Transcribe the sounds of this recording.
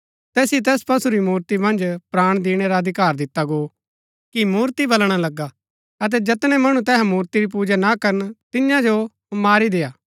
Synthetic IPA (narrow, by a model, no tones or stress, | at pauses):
t̪ɛːsjet̪̬ɛːspɐsuɾimuːɾt̪imɐ̃nd͡ʒpɾaːɽ̃d̪iːɽ̃eɾaɐd̪ʱɪkaːɾd̪ɪt̪ːaɡoː | kimuːɾt̪ibɐlɽ̃alɐɡa | ɐt̪̬ɛd͡ʒɐt̪ñɛmɐɽ̃ũt̪ɛːɦɛ̃muːɾt̪iɾip̬uːd͡ʒanakɐɾənt̪ɪjãd͡ʒo | maːɾid̪eːjaː